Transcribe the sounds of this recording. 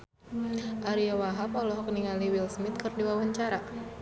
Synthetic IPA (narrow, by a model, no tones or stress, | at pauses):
ʔaɾiawaɦapɔlɔɦɔk̚niŋaliwilsmit̪̚kɨrdiwawaɲt͡ʃaɾa